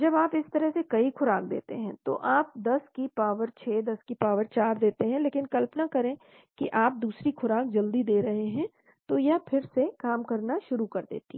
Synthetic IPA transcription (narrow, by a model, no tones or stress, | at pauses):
d͡ʒɐbaːpɪst̪ɐɾəɦsekɐixʰʊɾaːk̚d̪ḛːt̪ḛɦɛ̃t̪o̰ʔaːp̚d̪ɐskipaːʋəɾt͡ʃʰeːd̪ɐskipaːʋəɾt͡ʃaːɾd̪eːt̪eɦɛ̃leːkɪnkɐlpnakɐɾẽ | kiʔaːp̚d̪uːsɾixʰʊɾaːk̚d͡ʒɐld̪id̪eːɾɐɦeɦɛ̃ | t̪ojapʰɪɾsekaːmkɐɾnaʃʊɾukɐɾd̪ḛːt̪i